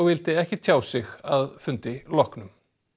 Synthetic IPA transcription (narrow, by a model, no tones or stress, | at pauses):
ɣvɪlt̪ɪɛhcɪt̪ʰjaːwsɪɣaðfʏnt̪ɪlɔhknʏm